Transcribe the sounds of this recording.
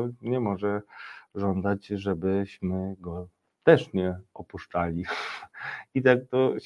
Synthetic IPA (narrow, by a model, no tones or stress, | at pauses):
ɲɛmɔʐɛʐɔnd̪at͡ɕʐɛbɘɕmɘɡɔ | t̪ɛʂɲɛɔpuʂt͡ʂalʲi | it̪ak̚t̪ɔ